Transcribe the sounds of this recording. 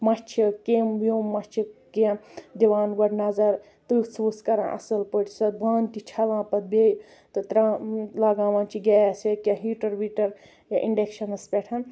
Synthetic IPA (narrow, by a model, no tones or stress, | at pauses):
mɐt͡ʃʰikembjomːɐt͡ʃʰiked̪iʋaːnɡɐɽnɐzɐɾ | t̪ut͡sʰʋuskɐɾã̰ʔɐ̰sɐlpəʈsɐbaːnt̪it͡ʃʰɐlãːpɐt̪̚bej | t̪ɨt̪ɾãːlɐɡaːʋãːnt͡ʃʰiɡʲaːjsekeɦiːʈɐɾbiʈɐɾ | jaʔiɳɖekʃɐnɐspʲeʈʰɐn